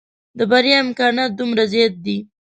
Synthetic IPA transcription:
d̪əbaɾjɑɪmkɑnɑt̪̚d̪umɾazjɑt̪̚d̪i

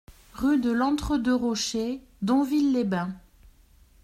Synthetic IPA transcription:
ʁyd̪əlɑ̃t̪χəd̪əʁɔʃe | d̪ɔ̃vilːebɛ̃

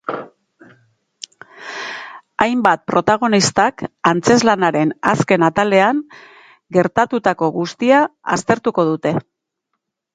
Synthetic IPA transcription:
ajmbat̪̚pɾo̞t̪aɣ̞o̞nist̪akant͡se̞zlanaɾe̞naske̞nat̪ale̞aŋ | ɡe̞ɾt̪at̪ut̪ako̞ɣust̪iaa̰st̪e̞ɾt̪uko̞ð̞ut̪e̞

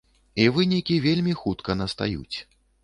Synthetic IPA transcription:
ivɨnʲikʲivʲelʲmʲixut̪kɐnɐst̪a̰jṵt͡sʲ

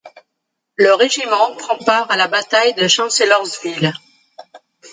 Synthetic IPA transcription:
ləʁeʒimɑ̃pχɑ̃paʁalabat̪ajd̪əʃɑ̃selɔʁzvil

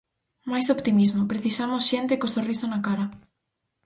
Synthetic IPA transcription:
majsopt̪imizmopɾeθisamosʃent̪ɪkosorisonakaɾa

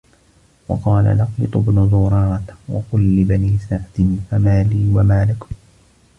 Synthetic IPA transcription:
wɑ̰qɑːla̰lɑqbɨt̪ˤʊbnʊzʊɾˤɑːt̪wɑ̰qʊlːɪbaniːsaʕd̪ɪnfamaːliːwamaːlɪk

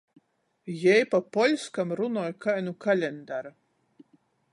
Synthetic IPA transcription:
jɛjpapɔlʲskamɾunɔːjkajnukalʲɛnd̪aɾa

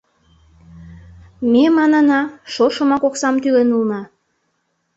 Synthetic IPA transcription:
memɑnɑnɑʃoʃə̆mɑkoksɑmt̪ylenulnɑ

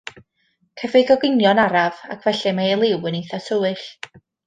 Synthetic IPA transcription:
kʰəvɨɡɔɡɪnjɔnaɾava̰kʰv̥ɛɬɛmaelˠɪwəniθasəwɨɬ

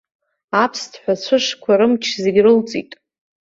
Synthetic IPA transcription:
apʰstʰħʷᶣat͡ɕʷʰɨʂkʷʰaɾɨmt͡ʃʰzeɡʲrɨlt͡sʼḭtʼ

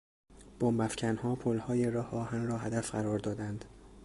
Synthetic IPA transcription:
b̥ombæfcʰænhɒːpʰolhɒːjeɾɒːhʔɒːhænrɒːɦæd̪æfɢæɾɒːɾd̪ɒːd̪ænd̪

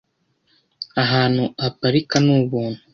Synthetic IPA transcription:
aɦaːn̥huapaɾikanuːβuːnhu

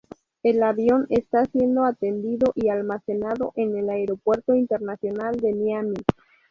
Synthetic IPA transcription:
e̞laβjo̞ne̞st̪asje̞nd̪o̞at̪e̞nd̪iðo̞ʔialmase̞naðo̞ʔe̞ne̞laeɾo̞pwe̞ɾt̪o̞int̪e̞ɾnasjonald̪e̞niami

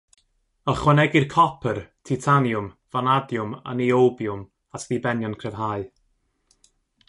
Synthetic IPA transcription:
əχwɛnɛɡɪrkʰɔpʰərtʰitʰanjʊmv̥anadjʊma̰niowbjʊm | atʰðibɛnjɔnkʰr̥ɛv̥ɦaːɨ

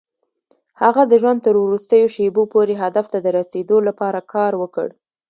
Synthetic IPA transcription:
haɣad̪əʒwand̪̚t̪əɾwɾust̪əjoʃebopoɾeɦad̪aft̪ad̪əɾased̪olapɑɾakʰɑɾwəkə̰ɽ

